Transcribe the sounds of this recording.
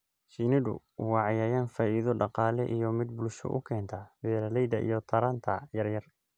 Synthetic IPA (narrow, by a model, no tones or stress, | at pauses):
ʃinɪdʊ̰ | wɑʕjɐːjaːnfaːʔiðɔɖɑqɑːlɛʔijɔmɪd̪̚bʊlʃɔ̰ʔʊ̰kʰɛːnt̪ʰɐbɛːɾɐlɛjd̪ɐʔḭjɔt̪ʰɐɾaːnt̪ʰɐjɐrjɐr